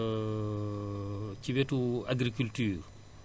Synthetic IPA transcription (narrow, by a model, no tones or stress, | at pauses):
ciwetuaɡɾikyltyːr